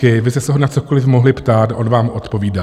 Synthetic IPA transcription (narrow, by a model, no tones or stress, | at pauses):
ɪvɪst̪ɛsɛɦonat͡so̞ko̞lɪfmoɦlɪpt̪aːt̪aʔonvaːmʔo̞t̪po̞viːda